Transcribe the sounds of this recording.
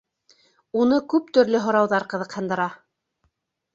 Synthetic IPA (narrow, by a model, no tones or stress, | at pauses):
unɤkʉpt̪ɵ̆ɾlɘɦŏɾɑwðɑɾqɤ̆ðɤ̆qhɤ̆nd̪ɤ̆ɾɑ